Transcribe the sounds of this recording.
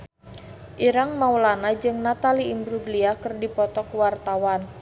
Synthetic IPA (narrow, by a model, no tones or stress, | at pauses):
ʔiɾaŋmawlanad͡ʒɨŋnat̪aliimbɾuɡliakɨrdipɔt̪ɔkwart̪awan